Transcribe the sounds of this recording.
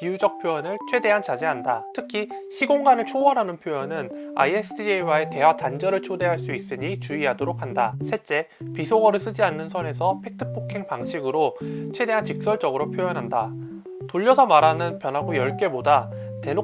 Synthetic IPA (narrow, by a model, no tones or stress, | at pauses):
kiud͡ʑʌk̚pʰjojʌnɯɭt͡ɕʰwe̞de̞ɦant͡ɕad͡ʑeɦandatʰɯkʰi | ɕʰiɡoŋɡanɯɭt͡ɕʰoʌɾɦanɯnpʰjojʌnɯna̰iesʰiewae̞te̞watand͡ʑʌɾɯɭt͡ɕʰode̞ɦaɭs͈uis͈ɯɲit͡ɕuiɦadoɾok̚ʰhandasʰet͡ɕ͈e̞ | pisʰoɡʌɾɯɭs͈ɯd͡ʑianːɯnsʰʌne̞sʰʌpʰe̞k̚tʰɯ̥pʰokʰe̞ŋpaŋɕʰiɡɯɾot͡ɕʰwe̞de̞ɦant͡ɕik̚s͈ʌɭt͡ɕ͈ʌɡɯɾopʰjojʌnɦanda | toʎːʌsʰʌmaɾɦanɯnpjʌnɦaɡojʌɭk͈e̞boda | te̞no